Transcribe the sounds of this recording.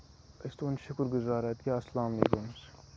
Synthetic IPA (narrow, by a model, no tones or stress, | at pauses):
ɐst̪oːnʃɐkʊɾɡʊzaːɾɐt̪kʲaːɐslaːmɐlḛːkums